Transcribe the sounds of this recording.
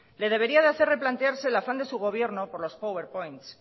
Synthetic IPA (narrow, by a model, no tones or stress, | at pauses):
le̞ð̞e̞β̞e̞ɾiaðeaθe̞re̞plant̪eaɾse̞lafand̪e̞suɣ̞o̞β̞je̞ɾno̞po̞ɾlo̞spowe̞ɾpo̞jnt̪s